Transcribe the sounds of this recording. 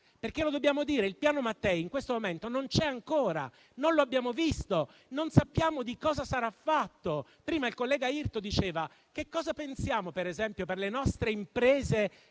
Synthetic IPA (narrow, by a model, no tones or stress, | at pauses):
perk̟elod̪obːjaːmod̪iːɾeilpjaːnomat̪ːɛiŋkwest̪omoment̪onont͡ʃɛaŋkoːɾa̰ | nonloabːjaːmovist̪o | nonsapːjaːmod̪ikɔːzasaɾafːat̪ːopɾiːmailkolːɛːɡairt̪od̪it͡ʃeːva | kekːɔːzapensjaːmopeɾezɛmpjoperlenɔst̪ɾeimpɾeːze